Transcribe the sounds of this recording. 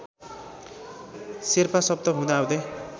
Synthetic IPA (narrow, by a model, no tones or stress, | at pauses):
serpasʌb̚d̪ʌɦũnaːwd̪e